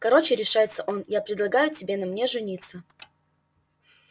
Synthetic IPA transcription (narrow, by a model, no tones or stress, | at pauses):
kɐɾo̞t͡ɕɪɾʲɪʂajɪt̪səʔo̞njapɾʲɪd̪lˠɐɡajʊtʲɪbʲe̞nɐmnʲe̞ʐɨnʲit̪sːə